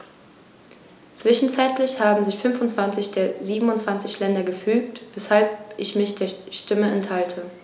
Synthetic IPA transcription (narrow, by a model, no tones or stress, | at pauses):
t͡sv̥ɪʃn̩t͡saɪtlɪçhaːbm̩zɪçfʏnfʊntt͡sv̥ant͡sɪçd̥eːɐziːbm̩ʊntt͡sv̥ant͡sɪçlɛndɐɡəfyːk̚tvɛshalpʔɪçmɪçd̥eːɐʃtɪməɛnthaltʰə